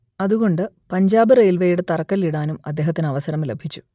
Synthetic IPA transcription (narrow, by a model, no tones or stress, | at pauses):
ɐðuɣo̞ɳɖɨ | pɐɲd͡ʑaːbɨrejlʋɐjuɽet̪ɐrɐkːɐliɽaːnumɐd̪ːeːɦɐt̪ːinɐʋɐsɐɾɐmlebʱit͡ɕːu̥